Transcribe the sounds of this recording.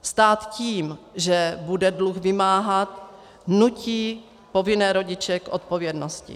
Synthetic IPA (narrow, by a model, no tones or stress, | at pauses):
st̪aːt̪ciːmʒɛbudɛdluxvɪmaːɦat̪ | nuciː | po̞vɪnɛːɾo̞ɟɪt͡ʃɛkʔot̪̚povjɛdnoscɪ̰